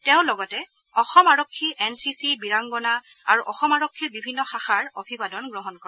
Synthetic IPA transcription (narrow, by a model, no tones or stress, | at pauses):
teʊ̃lɔɡɔtɛ | ɔxɔmaɹɔkʰːiʔɛnsisibiɹaŋɡɔna | aɹuʔɔxɔmaɹɔkʰːiɹbibʱinːɔxaxaɹobʱibadɔnɡɹɔɦɔnkɔɛ